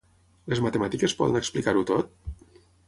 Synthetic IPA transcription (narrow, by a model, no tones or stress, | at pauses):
lezmat̪emat̪ikespɔ̰ðə̰nɛksplikaɾut̪ot̪̚